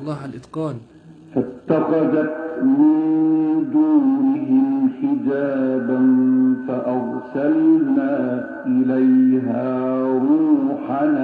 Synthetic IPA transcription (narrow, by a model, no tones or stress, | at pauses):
lˤːɑːalʔɪd̪qɑːn | fat̪ːɑqɑdat̪̚mɪnd̪uːnɪɦɪmxɪd͡ʒaːbanfaʔɑɾ | salnaː | ʔɪlajɦaːɾuːħan